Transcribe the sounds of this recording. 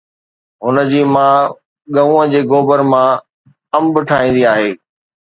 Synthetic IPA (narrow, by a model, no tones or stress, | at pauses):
ɦʊnə̆d͡ʑiːmã | ɠɐ̃ʋũːə̃d͡ʑeːɡoːbəɾmã | ɐ̃mbɪʈʰaːĩːn̆d̪iaːɦeː